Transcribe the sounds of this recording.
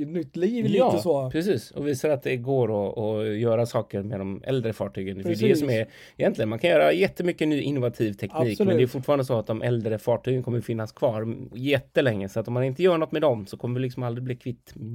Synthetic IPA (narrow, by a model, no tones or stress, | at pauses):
nʏt̪ːliːjːsopʰɾɛsiːsɔviːsaɾat̪̚d̪ɛɡoːɾɔɔjœːɾasɑːkəɾmɛd̪ɔmʔɛ̰ld̪ɾəfɑːʈʰyːɡənfd̪ɛɛsɔmɛɾ | ɪjɛnt̪lɪɡənmankʰanjœːɾajɛt̪ːəmʏkːənyːʔɪnːʊvat̪ʰiːvt̪ʰɛkniːkmɛnɛjfʊʈːfɑːɾand̪əsɔat̪̚d̪ɔmʔɛld̪ɾəfɑːʈʰyːɡənkʰɔmːəɾfɪnːaskʰvɑːɾjɛt̪ːəlɛŋːəsɔat̪ːɔmːanɪnt̪əjœːɾaɳɔt̪ːmɛd̪ɔmsɔkʰɔmːəvɪlɪksɔmald̪ɾɪbliːkʰvɪt̪ː